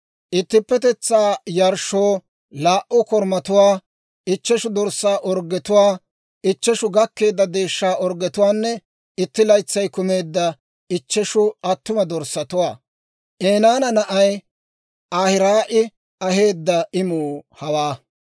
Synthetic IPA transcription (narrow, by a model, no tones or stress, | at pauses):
ʔɪt̪ːɪpːɛt̪ɛt͡sːaːjɐɾʃoː | laːʔʊkɔɾmɐt̪ʊwaː | ɪt͡ʃːɛʃʊd̪ɔɾsːaːʔɔɾɡɛt̪ʊwaː | ɪt͡ʃːɛʃʊɡɐkːe̞ːd̪ːɐd̪e̞ːʃːaːʔɔɾɡɛt̪ʊwaːnːɛ | ɪt̪ːɪlɐjt͡sːɐjkʊme̞ːd̪ːɐ | ɪt͡ʃːɛʃʊɐt̪ːʊmɐd̪ɔɾsːɐt̪ʊwaː | ʔeːnaːnɐnɐʔɐj | aːhɪɾaːʔɪ | ɐhe̞ːd̪ːɐɪmuːhɐwaː